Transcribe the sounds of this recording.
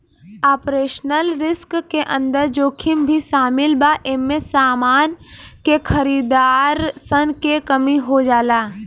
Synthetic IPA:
aːpɾeːʃnəlɾɪskkeʔə̃nd̪əɾd͡ʒoːkʰɪmbʱisaːmɪlbaːʔemːẽsaːmaːnkekʰəɾiːd̪aːɾsənkekəmiɦod͡ʒaːlaː

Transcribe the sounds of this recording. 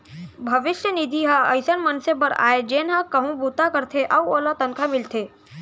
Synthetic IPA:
bʱɐʋɪʃjənɪd̪ʱiɦaɐ̰ɪsənmɐnsebɐɾa̰ːed͡ʒeːnɦakɐɦũbuːt̪akɐɾt̪ʰeʔɐʋuoːlat̪ɐnkʰamɪlt̪ʰeː

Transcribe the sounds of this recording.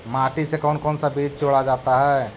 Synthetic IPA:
maːʈisekɔːnkɔːnsabiːd͡ʒt͡ʃoːɽad͡ʒaːt̪aɦɛː

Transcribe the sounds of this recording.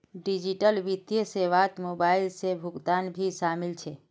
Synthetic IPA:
ɖɪd͡ʒɪʈəlʋit̪jəseʋaːt̪moːbaːɪlsebʱʊɡt̪aːnbʱiʃaːmɪlt͡ʃʰɛ

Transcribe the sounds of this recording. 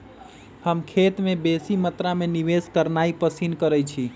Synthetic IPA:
həmkʰet̪mebesimət̪ɾameniʋeskəɾnaipəsinkəɾət͡ʃʰi

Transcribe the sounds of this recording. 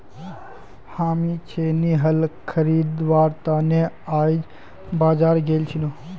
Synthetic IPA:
haːmit͡ʃʰeniɦəlkʰəɾiːd̪ʋaːɾt̪aneaːjd͡ʒ | baːd͡ʒaːɾɡeːlt͡ʃʰino

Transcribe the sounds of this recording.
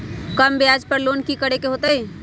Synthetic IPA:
kəmbead͡ʒpəɾlonkikəɽekeɦot̪əj

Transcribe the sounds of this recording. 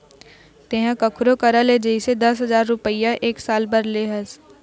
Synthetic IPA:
t̪eɦãkəkʰʊɾokɐɾaled͡ʒəised̪ɐsɦɐzaːɾːʊpəijãʔeːksaːlbɐɾleɦɐs

